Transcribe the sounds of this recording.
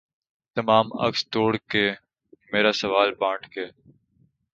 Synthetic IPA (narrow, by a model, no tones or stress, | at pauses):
t̪əmaːmə̰kst̪oːɽkeː | meːɾaːsəʋaːlpãːɳʈkeː